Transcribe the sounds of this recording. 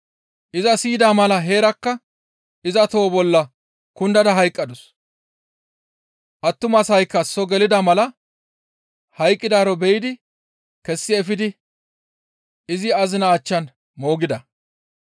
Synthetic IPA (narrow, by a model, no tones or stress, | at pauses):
ʔɪzɐsiːd̪aːmɐlɐɦe̞ːɾɐkːɐ | ɪzɐt̪oːbɔlːɐ | kʊnd̪ɐd̪ɐɦɐjkʼːɐd̪ʊs | ʔɐt̪ːʊmɐsɐjkːɐsɔɡɛlɪd̪ɐmɐlɐ | hɐjkʼːɪd̪aːɾɔbɛjɪd̪ɪ | kɛsːɪɛfɪd̪ɪ | ɪzɪɐzɪnaːt͡ʃːɐn | mo̞ːɡɪd̪ɐ